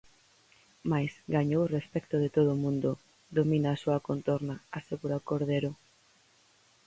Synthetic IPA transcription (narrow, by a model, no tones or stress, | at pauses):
majsɡaɲowrespɛkt̪oðet̪oð̞omũnd̪o | d̪ominaːsoakont̪oɾnaaseɣuɾakoɾðeɾo